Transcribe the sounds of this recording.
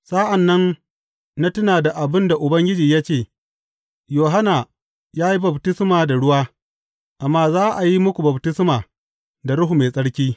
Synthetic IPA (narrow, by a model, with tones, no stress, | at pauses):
saː˦ʔa˨nːɐ˦n | na˦tʊ˦naː˨da˨ʔa˨bɪ˦nda˨ʔʊ˨bɐ˦ŋɡʲɪ˦d͡ʒiː˨ja˦t͡ʃeː˦˨ | joː˨ɦa˦na˨ | jaː˦ji˦bɐ˨btɪ˦smaː˨da˨ɽʊ˦waː˦ | ʔa˨mːaː˦zaː˦ʔa˨ji˦mʊ˦kʷu˨bɐ˨btɪ˦smaː˨ | da˨ɽʊ˦ɦu˨meː˨sʼɐ˦ɽkʲiː˦